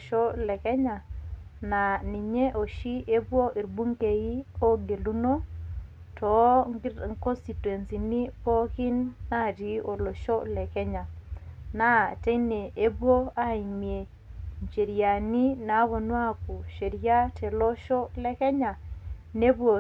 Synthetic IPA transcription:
ʃɔ˦lɛ˨kɛ˦ɲa˨na˨ni˨ɲe˦ʔo˨ʃi˦e˦bwo˦ʔi˨ɾbu˦ŋke˨ji˦o˦ɡe˨lu˦no˦ | tɔ˨˦ŋkɔ˦nsti˨twe˨nsi˨ni˦pɔ˦kɪ˦nːa˦˨di˨˦o˨lo˨ʃɔ˦lɛ˨kɛ˦ɲa˨na˦˨te˦ne˨ʔe˦bwo˦a˦i˨mje˨ | nt͡ʃe˨ɾja˨ni˦na˨˦βɔ˨nwa˦ku˨ʃe˨ɾja˦tɛ˨lɔ˦ʃɔ˦lɛ˦kɛ˦ɲa˨ne˦bwo˨

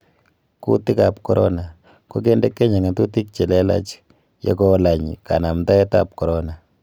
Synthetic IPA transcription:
kṵ˦ti˦ka˨pkɔ˦ɾɔ˦na˨ | ko˦k̬e˦nde˦kːe˦ɲe˨ŋa˨tu˦t̬i˦k̚t͡ʃɛ˨lɛ˦la̰˦t͡ʃ | jɔ̰˦kɔ˦la˨ɲḭ˨ka̰˨na˨mta˦ɛ˦ta˦˨p̚kɔ˨ɾɔ˦na˨

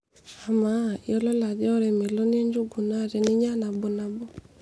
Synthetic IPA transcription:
a˨ma˦j̰ɔ˦lɔ˦la˨d͡ʒɔ˦ɔ˦ɾɛ˨me˨lɔ˦n˦e˦ɲd͡ʒu˦ɡu˨na˦˨ɾɛ˨nɪ˦ɲa˦na˨bɔ˨na˨bɔ˦

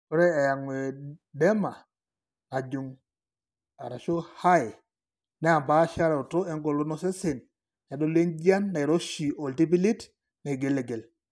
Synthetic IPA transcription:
o˦ɾe˦a˨ja˨ŋwe˨de˦maː˨ | d͡ʒu˨ŋ | a̰˨ɾa˨ʃo˦ha˦j | ne˦a˨mba˨˦ʃa˦ɾe˨o˨to˦e˦ŋɡo˨lo˦nɔ˦se˦se˨n | a˨do˦le˦nɟa˦nːa˨i˨ɾo˦ʃi˨o˨lti˦p̬i˦li˦t | na˨ɡe˨le˨ɡe˨l

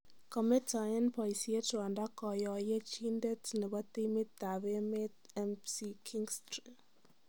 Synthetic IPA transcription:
kɔ˨mɛ˦tʰa˨ɛ˦npɔ˨i˨si˦e˦ta˨nda˦kɔ˨jɔ˨jɛ˦t͡ʃi˦nde˦tnɛ˨βɔ˦t̪i˦me˦t̪a˨βe˦me˦t | ɛ˦msi˦kʰi˦ŋɡstri

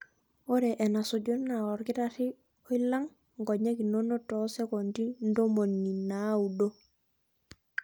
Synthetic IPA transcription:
o˦ɾɛ˨ʔɛ˨na˨so˨ɟo˦na˨ɔ˨ɾkɪ˦ta˦ti˦ | o˦i˦lːa˦ŋ | ŋɡɔ˨ɲa˦ki˨no˦no˦tɔ˨sɛ˦kɔ˨ndi˦n̩˦do˦mo˨nːi˨na˨˦u˨do˦

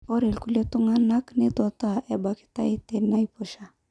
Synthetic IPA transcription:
ɔ˦ɾe˨lku˦le˦tʊ˦ŋa˦na˦kne˦tɔ˨ta˦˨ʔɛ˨ba˨ki̥˦ta˦e˦te˨na˦i˦po˨ʃa˨

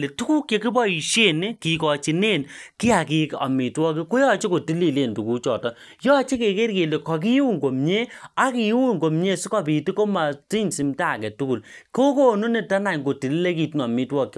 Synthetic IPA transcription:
le˨tu˦ku˦kje˨ki˦bɔ˦i˨ʃe˦˨ne˦ki˨kɔ˨t͡ʃi˨ne˦˨nki˦a˨ki˨˦kɔ̰˨mi˨twɔ˦ki˦ko˦jɔ˦t͡ʃe˦ko˨ti˦li˦˨le˨ntu˨ku˦t͡ʃɔ˨tɔ˦ | jɔ˦t͡ʃe˦ke˨ke˦rke˨le˨kɔ˨k̬i˦u˦ŋɡo˨mɲe˦a˦ki˨˦wu˦ŋɡo˨mɲe˦˨si˦kɔ˦bi˨ti˦ko˦ma˨ti˦nsi˨mta˦˨kɛ˨tu˦ku˦˨lko˦ko˦nu˦ne˦ta˦na˨ŋɡo˨ti˨li˦le˦ki˨tɔ˨mi˦twɔ˦kː

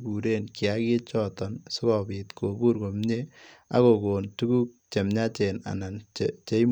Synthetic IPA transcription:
ku˨ɾe˦nkɪ˨aki˦t͡ʃɔtɔ˨nsʊ˦kɔ˨bi˨t̪kʰo˨ku˦ɾko˨mɲe˦ | a̰˦ko˨ko˨ntu˦ɡu˦k̚t͡ʃe˨mɲa˦t͡ʃe˨na̰˨na˨nt͡ʃe˦m

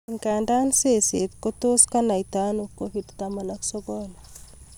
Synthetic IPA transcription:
ŋka˨nda˦nse˦se˨t̪ko˦t̪o˦ska˦na˨it̪a˦no˨kːoβi˨dt̪ama˨na˦kso˦ɡola

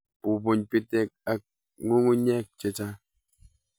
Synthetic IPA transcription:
pu˨bu˨ɲpi˦tɛ˦˨k̚a˨ | ŋu˦ŋu˦ɲɛ˦˨k̚t͡ʃe˨t͡ʃa˦

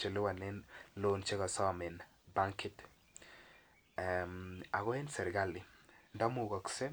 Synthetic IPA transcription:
t͡ʃe˨lɪ˦wa˨ne˦nlo˦nt͡ʃe˦ɣɔ˨sɔ˦˨mɪ˨n | ba˦ŋkɪ˦t | ma˨ɣɔ˦e˦nsɛ˨ɾɡa˦lɪ˨ndɔ˦mu˦˨ɡɔ˨kse˦

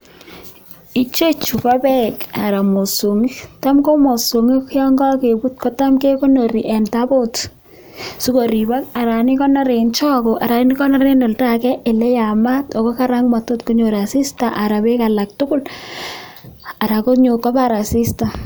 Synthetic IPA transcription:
i˦t͡ʃe˦t͡ʃu˨kɔ˦bɛ˦˨ka˨ɾa˨mo˨so˨ŋi˦ta˦mko˦mo˨so˨ŋi˦kjɔ˦ŋɡɔ˦ke˨bu˦t̚kɔ˦ta˦mke˦ko˦no˨ɾi˨ʔɛ˨nta˦bo˦t | su˦ko˨ɾi˨ba˦ka˨ɾa˨ni˦kɔ˦na˦ɾe˨nt͡ʃɔ˦ko˨ʔa˨ɾa˨ni˦kɔ˦na˦ɾe˦no˨lta˦kɛ˦ʔe˨lɛ˦ja˨ma˦tɔ˨kɔ˦ka˦ɾa˦ŋma˨to˦tko˦ɲo˨ɾa˨si˦sta˨ʔa˨ɾa˨be˦ka˨la˨k̚tʊ˦kʊ˦l | a˨ɾa˨ko˦ɲo˨kɔ˦pa˦ɾa˨si˦sta˨

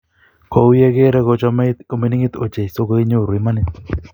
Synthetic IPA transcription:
ko˨wjɛ˦ke˦ɾɛ˦ko˨t͡ʃɔ˦mo˨me˨˦nɪ˦ŋɪ˦t̪o˨t͡ʃe˨i˨so˦ko˦ɪ˦ɲo˦˨ɾi˨ma˦nɪ˦

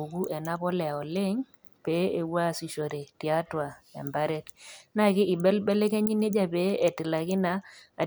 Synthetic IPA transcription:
u˨ku˦ʔɛ˨na˦pɔ˦lɛ˨ɔ˨lɪ˦ŋ | pe˨˦e˨wa˦˨si˨ʃo˨ɾe˨tja˦twa˨ɛ̰˨mba˦ɾɛ˦tna˦kɪ˦ɪ˨bɛ˦lbɛ˦le˦ke˦ɲi˦ne˦d͡ʒa˦pe˦e˨tɪ˨la˨kɪ˦naː˨

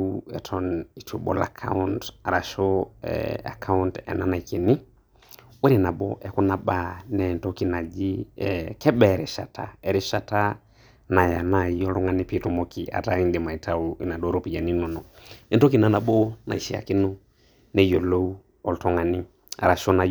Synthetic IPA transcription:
u˦ɛ̰˨tʰɔ˦ni˨to˨ɓɔ̰˨la̰˨kʰa̰˦u˦nta˨ɾa˨ʃɔ˦ɛ̰a̰˨kʰa˦u˦ntɛ̰˨na˦na˨i˨ke˨nɪ˦ | wɛ˦ɾɪ˨na˨ɓɔ̰˦ʔɛ˨kɔ˦na˨ɓa˨nɛ˨ntɔ˦ki˨na˨d͡ʒi˦ɛkɛ˦ɓɛ˨ɾɛ˨ʃa̰˨tʰa˨ɛ˨ɾɪ˦ʃa˨ta˦ | na˨ja˨na˨jɔ˦lɔ˦ŋa˨nɪ˦pi˨tɔ˦mɔ˦ki˨ʔa̰˨ta˦i˦ndɪ˨ma˨i˨tʰa˦u˨i˨na˨ɗɔ˦ɾɔ˦pi˨d͡ʒa˨ni˦nɔ˨nɔ˨ɛ˨ntɔ˦ki˨na˨na˨ɓɔ˦na̰˨i˨ʃi˨a̰˨ki˦nʊ˦ | nɛ˨jɔ˨lo˦u˦ | ɔ˨ltɔ˦ŋa˨nɪ˦ | a̰˨ɾa˨ʃo˦na˨

